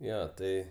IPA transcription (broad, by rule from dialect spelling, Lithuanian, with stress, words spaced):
ˈjoː ˈtɐɪ